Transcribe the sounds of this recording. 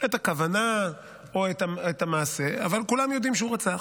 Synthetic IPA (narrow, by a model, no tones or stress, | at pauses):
et̪akavana | oet̪aet̪amaːse̞a̰valkulamjo̞d̪imʃɛuʁat͡saχ